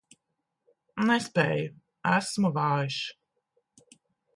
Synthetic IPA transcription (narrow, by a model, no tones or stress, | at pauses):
nɛspʲɛːju | æsmuvaːjiʃ